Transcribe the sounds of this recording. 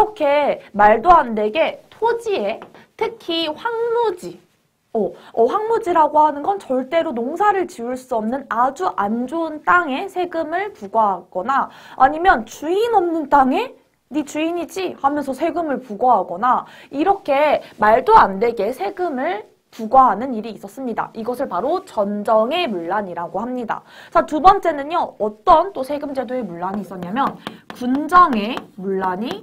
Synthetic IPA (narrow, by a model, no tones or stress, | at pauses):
iʌkʰe̞maɭdoɦande̞ɡe̞tʰod͡ʑie̞ | tʰɯkʰiɸwaŋmod͡ʑi | ʌʌɸwaŋmod͡ʑiɾaɡohanɯnɡʌnt͡ɕʌɭt͈e̞ɾonoŋsʰaɾɯɭt͡ɕiuɭs͈uʌmnɯnad͡ʑuʔand͡ʑoɯnt͈aŋe̞sʰe̞ɡɯmɯɭpuɡʌɦaɡ̥ʌnaːɲimjʌnt͡ɕuinʌmnɯnt͈aŋe̞ | nit͡ɕuiɲid͡ʑihamjʌnsʰʌsʰe̞ɡɯmɯɭpuɡʌɦaɡʌnaiɾʌkʰe̞maɭdoande̞ɡe̞sʰe̞ɡɯmɯɭ | puɡʌɦanɯniɾiːs͈ʌs͈ɯmɲida̰ʔiɡʌsʰɯɭpaɾot͡ɕʌnd͡ʑʌŋe̞muɭːaɲiɾaɡohamɲida̰t͡ɕatubʌnt͡ɕ͈e̞nɯɲjʌʌt͈ʌnt͈osʰe̞ɡɯmd͡ʑe̞doe̞muɭːaɲiːs͈ʌɲamjʌnkund͡ʑʌŋe̞muɭːaɲi